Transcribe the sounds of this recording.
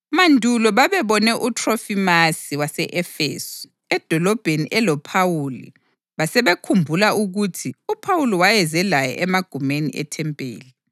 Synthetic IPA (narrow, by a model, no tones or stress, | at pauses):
mandʱulɔβaβɛβɔnɛʔutʰʼrɔfimasiwasɛʔɛfḛːsɔ̥ | ɛd̥ʱɔlɔb̥ʱeniʔɛlɔpʰawuːlḭ | βasɛβekʰumbʱulauɣutʰiupʰawuliwajɛzɛlajɔ̰ʔɛmaɡ̥ʱumenḭʔɛ̰tʰɛmpʼḛːli